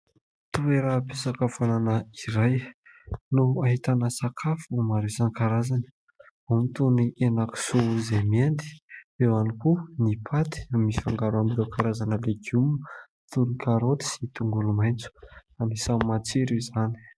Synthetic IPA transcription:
t̪ueɾapisakafananəiɾaj | nuaɦit̪anəsakʰafumaɾezanikaɾazanə̥ | amit̪unienaku̥souzemiend̪i̥ewanikunipʰat̪i̥amisi̥faŋɡaɾuambilewkaɾazanəleɡum | t̪unkaɾot̪i̥sit̪uŋɡulumajnt͡su̥anisamat͡siɾuizani̥

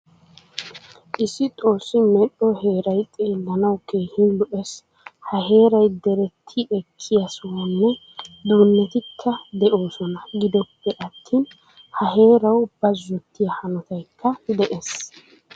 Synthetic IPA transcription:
ʔɪsːɪt̪ʼo̞ːsːɪmɛɗɔhe̞ːɾɐjtʼeːlːɐnɐwke̞ːhɪnlɔʔɛs | hɐɦe̞ːɾɐjd̪ɛɾɛt̪ʰːɪɛkʰːɪjɐsʊunːɛ | d̪uːnːɛt̪ɪkʰːɐd̪ɛʔo̞ːsɔnɐɡɪd̪ɔpːɛʔɐt̪ʰːiːn | hɐɦe̞ːɾɐwb̥ɐzːɔt̪ːɪjɐhɐnɔt̪ɐjkʰːɐd̪ɛʔes

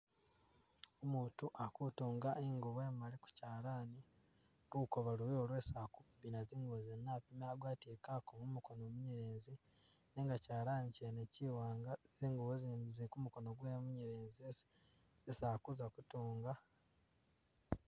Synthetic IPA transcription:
omuːtuʔakutuːŋɡaʔeŋɡuwe̞ːmaliku̥caːlaːni | ɾuko̞βalujolwe̞ːsakubinaziːŋɡuozenːapimaɡwaːtekakomumuko̞nomuɲeɾeːnzi | neːŋɡacaːlaːniceneciwaːŋɡaz̥iːŋɡuβozizikumuko̞no̞ɡwemuɲeɾeːnzies | zisaːkuzakutuːŋɡa

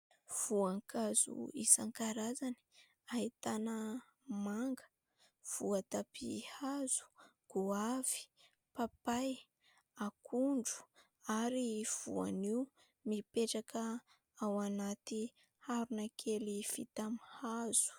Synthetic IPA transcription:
v̥uaŋkazṵisaŋkaɾazani̥ | ahit̪anə | maŋɡə̥ | v̥uat̪apḭhaz̥u̥ɡ̥uav̥i̥ | papaj | akʰuɳɖ͡ʐu̥ | aɾiv̥ṵa̰niw | mipeʈ͡ʂakʰə | awanat̪i | haɾunakʰelifḭt̪amihaz̥u̥

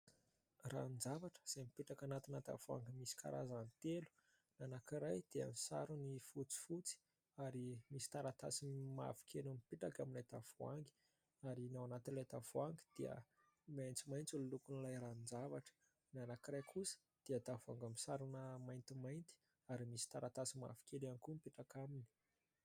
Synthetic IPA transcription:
ra̰nd͡zavaʈ͡ʂə̥z̥ajmipiʈ͡ʂakanat̪inat̪a̰v̥ua̰ŋɡimisi̥kʰa̰ɾa̰zanit̪elu̥ | nanakiɾajd̪̥eəmisa̰ɾunifut͡si̥fut͡si̥ | aɾimisi̥t̪aɾat̪asima̰vu̥kʰenumipiʈ͡ʂakaminlet̪av̥ua̰ŋɡi̥ | aɾinawanat̪inlet̪av̥uaŋɡə̥d̪̥iə̰ | majnt͡simajnt͡sululukunilajɾannd͡zavaʈ͡ʂə̥ | nanakiɾajkʰusə̥ | d̪̥eəd̪avuaŋɡamisaɾunəmajnt̪imajnt̪i̥ | aɾimisi̥t̪aɾat̪asima̰vi̥kelankumpiʈ͡ʂakamini̥

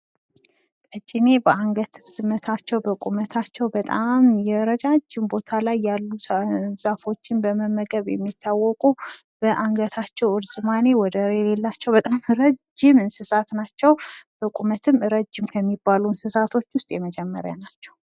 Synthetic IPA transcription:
kʼət͡ʃʼɪnebəaŋɡət̪ʰɨɾzɨmːət̪ʰat͡ʃːɛwbəkʼumət̪ʰat͡ʃːɛwbət̪ʼamjɛɾəd͡ʒad͡ʒːɪmbo̞t̪ʰalajːalːuz̥afo̞t͡ʃːɪnbəməmːəɡəβjɛ̰mːit̪ʰːawːɔkʼu | b̥əʔaŋɡət̪ʰat͡ʃːɛwɨɾzʼɨmane̞wɔd̪əɾelelːat͡ʃːɛwbət̪ʼamɾəd͡ʒɪmɨnsɨsat̪nat͡ʃːɛwb̥əkʼumət̪ʰɨmɾəd͡ʒːɪmkʰəmːibːalunsɨsat̪ʰo̞t͡ʃːwʊst̪ʼjɛməd͡ʒɛmːə̰ɾja̰nat͡ʃːɛw

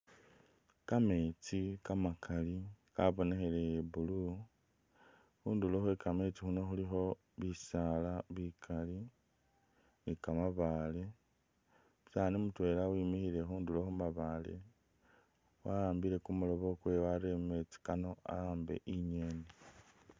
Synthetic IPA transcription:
kame̞t͡sikamakʰalikaβo̞ne̞xe̞le̞bulu | xuːndulo̞xwekame̞t͡sixuno̞xulixo̞ | βisalaβikʰali | nikamaβale | saːnimutwe̞ːlawimixiɾe̞xuːnduloxumaβalḛ | waaːmbile̞kumulo̞βo̞kwe̞waɾeme̞t͡si̥kano̞a̰aːmbe̞̰ʔiɲenei

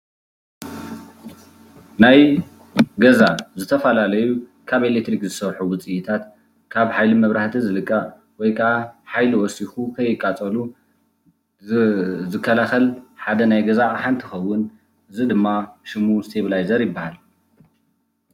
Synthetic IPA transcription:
naj | ɡɐzaʔzɨt̪ʰɐfɐlalɐjukʰaβelek̚t̪ɾikzɨsɐɾħuwʊt͡sʼiʔit̪ʰat̪ | kʰaβħajlimɐβɾaħt̪ʰizɨlɨkʼːa | wɔjkʰɐʔaħajliwɔsixukʰɐjːɪkʼːat͡sʼɐlu | zɨkʰːɐlaxɐlħad̪ɐnajɡɐzaʔħant̪ʰixɐwːʊn | ɨzid̪ɨmːaʃɨmuzɨt̪ʰeβlajzɐɾjɪbːahal

